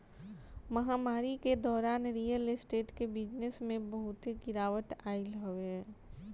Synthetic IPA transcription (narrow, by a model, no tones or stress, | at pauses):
mɐɦaːmaːɾiked̪ɔːɾaːnɾijəlɪsʈeːʈkebɪd͡ʒnesmẽbəɦʊt̪ɦeɡɪɾaːʋət̪aːɪlɦoʋe